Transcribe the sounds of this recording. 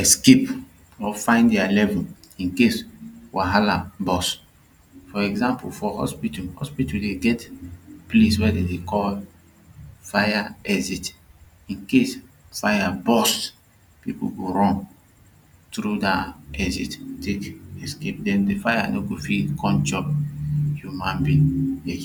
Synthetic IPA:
ɛskep | ɔfãɪ̃ndɛalɛvulĩnkeswaɦalabɔs | fɔɛɡzãmpufɔhɔ̰spituhɔspituldeɡɛtpleswɛdedekɔl | fajaɛzit | ĩnkes | fajabɔs | pipṵɡoɾɔ̃n | tɾudaɛzittekɛskep̚dɛ̃mdefajanoɡofilkʰɔ̃nt͡ʃɔ | hjumãnbĩnled͡ʒ

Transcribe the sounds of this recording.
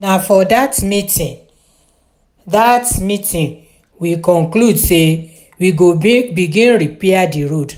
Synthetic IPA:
nafɔdatmitĩn | datmitĩn | wikɔ̃ŋkludse | wiɡoibiɡĩnɾipiadiɹod

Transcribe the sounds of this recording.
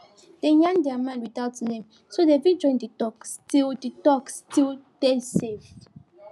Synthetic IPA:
d̥ejãndɛamãnwiθaʊtnẽm | sodevĩd͡ʒɔ̃ɪ̃nditɔkstilditɔkstildesev

